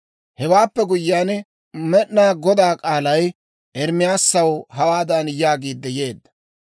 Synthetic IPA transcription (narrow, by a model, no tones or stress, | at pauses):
hɛwaːpːɛɡʊjːaːn | mɛʔnaːɡɔd̪aːkʼaːlɐj | ʔɛɾmɪjaːsːɐwɦɐwaːd̪ɐnjaːɡiːd̪ːɛje̞ːd̪ːɐ̥